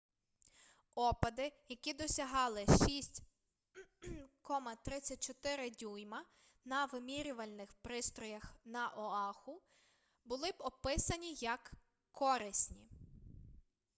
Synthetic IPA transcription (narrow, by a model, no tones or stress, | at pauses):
ɔpɐd̪ɪjɐkʲid̪ɔsʲɐɦɑlˠɪʃisʲtʲ | kɔmɐt̪ɾɪt͡sʲːɐt̚ʲt͡ʃɔt̪ɪɾɪdʲujmɐ | nɐʋɪmʲiɾʲʊʋɐlʲnɪxpɾɪst̪ɾɔjɐxnɐʔɔɑxʊ | bʊlˠɪbɔpɪsɐnʲijɐk | kʰːɔɾɪsʲnʲḭ